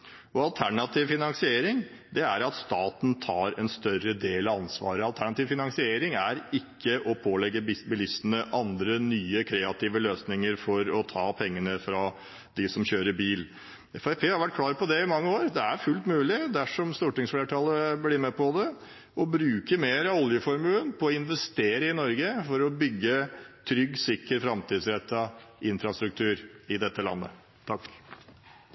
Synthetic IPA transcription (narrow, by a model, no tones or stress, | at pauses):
ɔɑlt̪ʰæɳɑt̪ʰiːʋfɪnɑnsɪeːɾɪŋ | d̪ɛæɾɑt̪st̪ɑːt̪nt̪ʰɑːɾɛnst̪œɾəd̪eːlɑɑnsʋɑ̰ːɾəɑlt̪ʰæɳɑt̪iːʋfɪnɑŋsɪeːɾɪŋæɾɪkːəʔɔpʰoːlɛɡːəbɪsbɪlɪsənəʔɑnd̪ɾənyːəkʰɾeːɑt̪iːʋəløːsnɪŋəɾfɔɾɔt̪ʰɑːpʰɛŋːənəfɾɑ | d̪ɪsɔmçøːɾəɾbiːl | ɛfæpʰeːhɑɾʋæʈ̚kʰlɑːɾpɔd̪ɛɪmɑŋːəoːɾd̪ɛæɾfʉlt̪mʉːlɪd̪æʂɔmst̪uːʈɪŋsfleːʈʰɑːləblɪɾmɛpɔd̪ɛ | ʔɔbɾʉːkəmeːɾɑɔljəfɔɾmʉlənpʰɔːɪnʋɛst̪eːɾəɪnɔɾɡəfɔɾɔbʏɡːət̪ʰɾʏɡsɪkːəɾfɾɑmt̪iːd̪sɾɛt̪ːɑɪnfɾɑst̪ɾʉk̚t̪ʰʉːɾɪd̪ɛt̪ːəlɑ̰nːə̰ | t̪ʰɑk